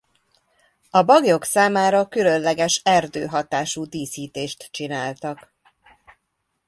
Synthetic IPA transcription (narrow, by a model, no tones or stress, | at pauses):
ɒbɒɡjo̞ksaːmaːɾɒkylø̞nlɛɡɛʃɛrd̪ø̰ːɦɒt̪aːʃuːd̪iːsiːt̪eːʃt̪t͡ʃinaːlt̪ɒk